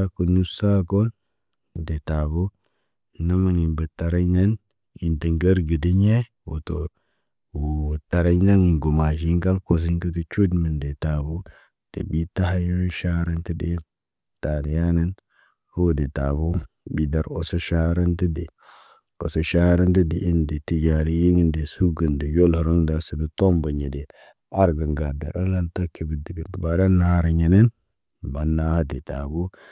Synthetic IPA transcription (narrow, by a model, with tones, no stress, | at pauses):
a˦ku˨nu˦sa˦ko˦l | de˨ta˨bo˦ | na˦ma˨ni˨mbə˨ta˨ɾa˦jna˦n | i˨nti˨ŋɡə˦ɾɡə˨di˦ɲe˦ | wo̰˨to˨ɾ | wo˨ta˨ɾa˦jna˦n˨ɡo˨ma˨ʒi˦ŋka˦lko˨s̬i˦ŋkə˦tə˦t͡ʃu˦dmə˨nde˨ta˨bo˦ | d̥ḛ˨bi˦ta˦ɦa˦jɾe˦nʃa˦ɾa˦nti˦de˦ | taː˨di˨ja˦na˦n | ho˦de˨ta˨bo˦bi˨da˨ɾo̰˨so˦ʃa˦ɾa˦nti˦de˨ | ko˨so˨ʃa˦ɾa˦nti˦di˨ʔi˦nde˨ti˦d͡ʒa˨ɾi˦ji˦ŋi˦nde˨su˦ɡə˨nde˨jo˦lhɾo˦ŋda˨si˨də˨to˦mba˨ɲe˨de˨ | a˦ɾɡə˨ŋɡa˨da̰˨ɾa˦la˦nta˦ke˨bi˨di˨ɡi˨ntba˨da˦na˦a˦ɾa˨ɲe˨ne˦n | ba˨nːa˦ha˦de˨ta˨bo˦